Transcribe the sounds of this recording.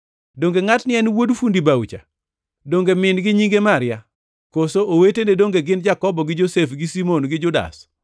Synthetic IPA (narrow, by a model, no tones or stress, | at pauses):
doŋɡeŋatnɪɛnwodfundibawt͡ʃa̰ | doŋɡemɪnɡɪɲiŋɡemaɾɪja | kosoʔowetenedoŋɡeɡɪnd͡ʒakɔbɔɡɪd͡ʒosefɡɪsimonɡɪd͡ʒʊda̰s